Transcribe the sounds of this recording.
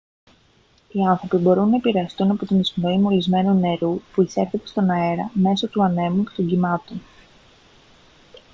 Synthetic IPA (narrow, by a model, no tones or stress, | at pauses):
iɐnθɾo̞pibo̞ɾunːɐepiɾe̞ɐst̪unɐpo̞t̪inisnoimo̞lizme̞nune̞ɾupuise̞ɾθet̪e̞st̪o̞nɐe̞ɾɐme̞so̞t̪uɐne̞mucet̪o̞ɲɟimɐt̪o̞n